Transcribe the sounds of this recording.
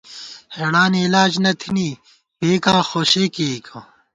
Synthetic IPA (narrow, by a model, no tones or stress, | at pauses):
heɽaːniːlaːd͡ʑnɐt̪ʰiniː | peːkãːxoːɕeːkeːkʰãː